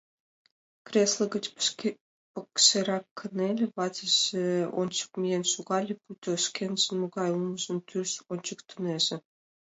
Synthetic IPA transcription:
krʲeslə̆ɣət͡ɕ | pəkʃeɾɑkʰːə̆nelʲĕβɑzə̆ʒĕo̰nʲt͡ɕə̥k̚mʲijenʃuɣɑlʲeput̪ʲoʃkenʒ̥ə̆nmoɣɑjumə̆ʒə̆nt̪ʰyrʃonʲt͡ɕəkt̪ʰuneʒĕ

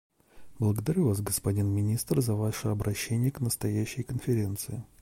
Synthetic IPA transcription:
blˠəɡəd̪ɐɾʲuvasɡəspɐdʲinmʲɪnʲist̪rzɐvaʂɨɐbɾʔɐɕːenʲɪjəknəst̪ɐjæɕːɪjkənfʲɪɾʲe̞nt̪sɨɪ

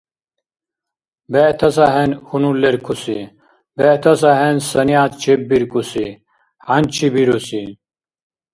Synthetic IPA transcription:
bet̪ʰɐs̬aɦenhunuleɾkʰusi | bet̪ʰɐs̬ɐɦensɐnijaːt̪̚t͡ɕʰeb̚biɾkusi | hɐnt͡ɕʰibiɾusi

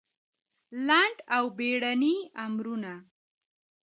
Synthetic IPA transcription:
laɳʈawbeɽaniamɾuna

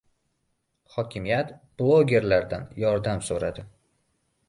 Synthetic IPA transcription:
hɒkʲʰɪmijat̪b̥lˠoɡʲe̞ɾlaɾd̪anjɒɾd̪amsoɾad̪ɪ

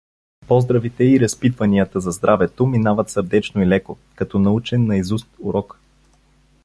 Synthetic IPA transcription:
pɔzd̪ɾɐvit̪ɛiɾɐspit̪vɐniət̪əzɐzd̪ɾʔavɛt̪ominavət̪səɾd̪ɛt͡ʃnoilɛko | kɐt̪ɔnɐut͡ʃɛnːɐizust̪uɾɔk

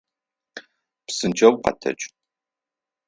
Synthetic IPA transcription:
psɨnd͡ʒɐwqɐ̰tʰɐ̰t͡ʃʼ

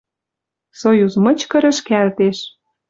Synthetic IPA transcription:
sojuzmɤ̆t͡ɕkɤ̆ɾə̆ʃkælt̪eʃ

